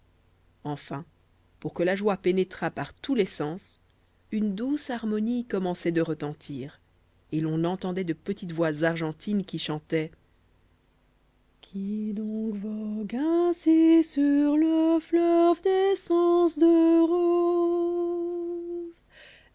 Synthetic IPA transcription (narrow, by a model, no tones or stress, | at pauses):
ɑ̃fɛ̃ | puʁkəlaʒwapenet̪χapaʁt̪ulɛsɑ̃s | ynd̪usaʁmɔnikɔmɑ̃sɛd̪əʁət̪ɑ̃t̪ʰiːʁ | elɔ̃nɑ̃t̪ɑ̃d̪ɛd̪əpət̪it̪vwazaʁʒɑ̃t̪ʰinkʲiʃɑ̃t̪ɛ | kʲʰid̪ɔ̃kvɔɡɛ̃sisyʁləflœvd̪esɑ̃sd̪əʁo | z